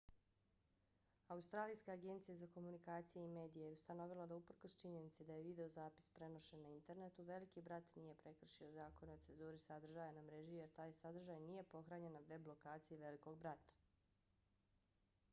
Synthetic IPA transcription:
aust̪ɾaːlijskaːɡe̞nt̪sijazako̞munikaːt̪sijeime̞ːd̪ijejeust̪ano̞ʋilˠad̪aupr̩kost͡ʃiɲe̞nit̪sed̪ajeʋid̪e̞ozaːpi̥spɾe̞no̞ʃenːaint̪e̞ɾnet̪uʋe̞likibɾat̪nije̞pɾe̞kr̩ʃio̞zaːko̞neo̞t̪se̞nzuːɾisad̪r̩ʒaːjanamɾe̞ʒije̞ɾt̪aːjsad̪r̩ʒaːjnije̞po̞xɾaːɲe̞naʋe̞blˠo̞kaːt̪sijeʋe̞liko̞ɡ̚bɾat̪ḁ

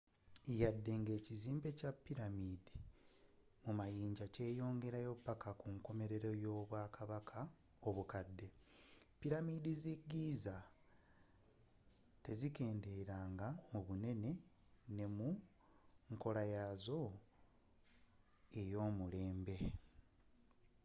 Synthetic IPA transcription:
ijadːe̞ŋɡe̞ːciziːmbe̞capːiɾamiːdi | mumajiːɲɟace̞ːjo̞ːŋɡe̞ɾajo̞pːakakuŋko̞me̞ɾe̞ɾo̞jo̞ːβwaːkaβakʰa | oβukadːe̞pːiɾamidiziɡiza | te̞zike̞ːndeɾaːŋɡamuβune̞ne̞ | ne̞mu | ŋko̞lajazo̞ | e̞jo̞ːmule̞ːmbe̞

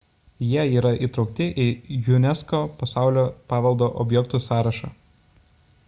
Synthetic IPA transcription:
jiɛiːɾɐʔiˑt̪ɾɒʊkt̪ʲɪʔijʊnʲɛskoːpɐsɑˑʊlʲoːpɑːʋɐlˠd̪oːʔɔbʲjɛkt̪usɑːɾɐʃɑ̰ː

